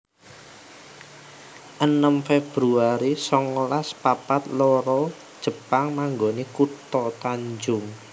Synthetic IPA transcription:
ʔənəmfeb̥ɾuaɾisɔŋolaspapat̪lɔɾɔd̥ʒ̥ə̤paŋmaŋɡonekut̪ɔt̪aɲd͡ʒʊŋ

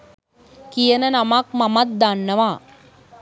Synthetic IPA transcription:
kijɐnɐnɐmaːk̚mɐmɐt̪̚d̪anːɐʋaː

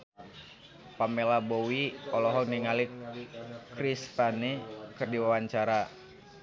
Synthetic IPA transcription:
pamɛlabowiɔlɔɦɔniŋali | krist̪anikɨrdiwawaɲt͡ʃaɾa

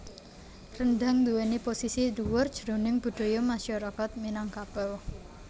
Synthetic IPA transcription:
rənd̪a̤ŋd̪uweniposisiluwɔrd̥d͡ʒ̥əɾo̤nɪŋb̥ṳɖ̪̥o̤jomaʃaɾakat̪̚minaŋkapɛw

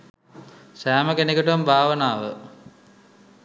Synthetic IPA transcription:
sæːməkenekəʈəmbʱaːʋənaːʋə

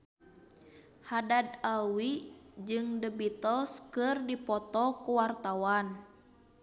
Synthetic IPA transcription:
hadadawid͡ʒɨŋdəbit̪əlskɨrdipɔt̪ɔkuwart̪awan

